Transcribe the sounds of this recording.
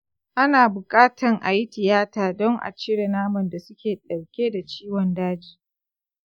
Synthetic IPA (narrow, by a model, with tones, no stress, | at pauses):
ʔa˦naː˨bʊ˨kʼaː˦tʰɐ˨ŋʔa˨ji˦tɪ˨jaː˦taː˨dɔ˦ŋʔa̰˨t͡ʃɪ˦ɽe˨naː˦mɐ˨nda˨sʊ˦kʲeː˨ɗɐ˨ɽkʲeː˦da˨t͡ʃiː˦wɔ˨ndaː˦d͡ʒiː˦